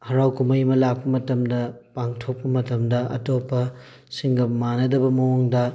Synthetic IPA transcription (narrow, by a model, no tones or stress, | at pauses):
hɐɾawkumɐjmɐlak̚pɐmɐtɐmdɐpaŋtʰok̚pɐmɐtɐmdɐɐ̰topːɐ | siŋɡɐmanɐdɐbɐmɐwoŋdɐ